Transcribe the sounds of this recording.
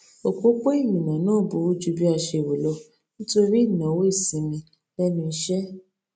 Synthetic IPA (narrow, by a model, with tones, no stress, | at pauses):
o˨ko˦k͡pe˦i˦˨nĩ˨nã˨nãː˦˨bo˨˦wo˦d͡ʒu˦bi˦a˧ʃe˧˨wo˨lɔ˧ | nĩ˦to˦ɾi˦i˦˨nã˨wo˦i˦˨sĩ˨˦mĩ˧ | lɛ˦nũ˦i˧ʃɛ˦